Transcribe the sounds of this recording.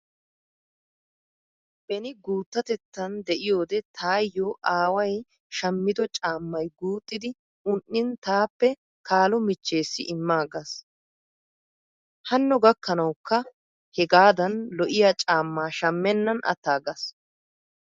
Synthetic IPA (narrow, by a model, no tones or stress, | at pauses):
b̥ɛnɪɡuːt̪ːɐt̪ɛt̪ːɐnd̪ɛʔɪjo̞ːd̪ɛt̪ʰaːjːoːʔaːwɐj | ʃɐmːɪd̪ɔt͡ʃʼaːmːɐjɡuːt̪ʼːɪd̪ɪ | ʊnʔːɪnt̪aːpːɛ | kaːlɔmɪt͡ʃːe̞ːsːɪʔɪmːaːɡɐs | hɐnːɔɡɐkːɐnɐwkːɐ | hɛɡaːd̪ɐnlɔʔɪjat͡ʃʼaːmːaːʃɐmːɛnːɐnʔɐ̰t̪ːaːɡɐs